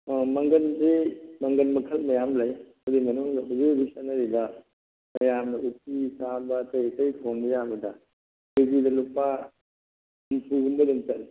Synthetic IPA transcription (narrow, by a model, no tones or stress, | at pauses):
mɐŋɡɐnsimɐŋɡɐnmɐkʰɐlmɐjamlaj | ɐdimɐnuŋlazebisanɐɾibɐ | mɐjamnɐutːisabɐtɐjɐtɐjkʰoŋbijabɐdɐ | bibidɐlupa | mpʰuɡumbɐdunt͡ʃɐl